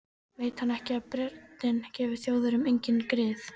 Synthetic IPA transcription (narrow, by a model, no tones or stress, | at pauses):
veːjt̪hanːɛhcɪaðpɾɛɾt̪nɪncɛːvɪɾ̥θjoːwðʏɾʏmejɲcɪnkɾɪːθ